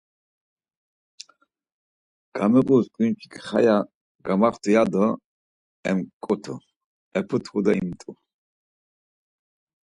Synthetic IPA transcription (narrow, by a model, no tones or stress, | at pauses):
ɡ̥amɛqʼuskʼinpʰi̥kʰχa̰ja | ɡamaχt̪ʰujad̪ə | ɛmkʼɔt̪ʰɔ | ɛpʰɔt̪ʰud̪aimt̪ʼu